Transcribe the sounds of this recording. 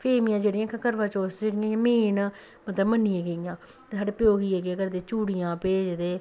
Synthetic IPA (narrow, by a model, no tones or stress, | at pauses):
pʰeːmijãːd͡ʒeːɽɪjãːkkəɾʋãːt͡ʃoːsd͡ʒeːɽɪjãːj̃ːmeːn | mət̪ləbmənːiãːɡejãː | eːsaːɖeːpɪjoːɡiːeːɡeːkəɾd̪eːt͡ʃuːɽijãːpeːd͡ʒd̪eː